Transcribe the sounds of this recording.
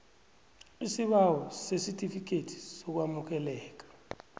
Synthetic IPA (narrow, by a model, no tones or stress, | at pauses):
isiɓawɔsesitʼifik̬ʼetʰi̥sɔk̬wamuk̬ɛlɛːk̬ḁ